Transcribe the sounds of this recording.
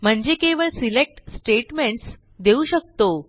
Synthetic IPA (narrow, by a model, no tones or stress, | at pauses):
m̤əɳd͡ʑekeʋəɭsilek̚ʈsʈeʈmeɳʈs | d̪euɕək̚t̪o